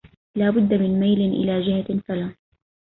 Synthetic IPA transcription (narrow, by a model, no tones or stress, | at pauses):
laːbʊd̪ːamɪnmajlɪʔɪ̰laːd͡ʒɪhafalaː